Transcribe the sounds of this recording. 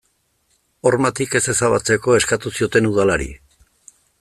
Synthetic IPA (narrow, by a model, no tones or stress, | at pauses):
o̞rmat̪ike̞se̞saβat͡se̞ko̞e̞skat̪usio̞t̪e̞nuð̞alaɾḭ